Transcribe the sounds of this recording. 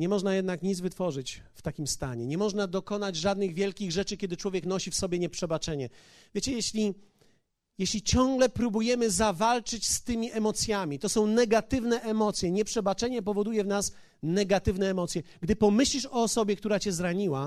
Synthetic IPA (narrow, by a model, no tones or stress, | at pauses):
ɲɛmɔʐnajɛd̪nakɲid̪zvɘt̪fɔʐɘt͡ɕft̪akʲimst̪a̰ɲɛ̰ɲɛmɔʐnad̪ɔkɔnad͡ʑʐad̪nɘɣvʲjɛlkʲiɣʐɛt͡ʂɘkʲɛd̪ɘt͡ʂwɔvʲjɛknɔɕifsɔbʲjɛɲɛpʂɛbat͡ʂɛɲɛ | vʲjet͡ɕɛjɛɕlʲi | jɛɕlʲit͡ɕɔ̃ŋɡlɛpɾubujɛmɘzavalt͡ʂɘt͡ɕst̪ɘmʲiʔɛmɔt̪sʲjamʲit̪ɔsɔ̃w̃nɛɡat̪ɘvnɛʔɛmɔt̪sʲjɛɲɛpʂɛbat͡ʂɛɲɛp̬ɔvɔd̪ujɛvnas | nɛɡat̪ɘvn̪ɛːmɔt̪sʲjɛɡd̪ɘpɔmɘɕlʲiʂɔːsɔbʲjɛk̚t̪uɾat͡ɕɛzɾaɲiwa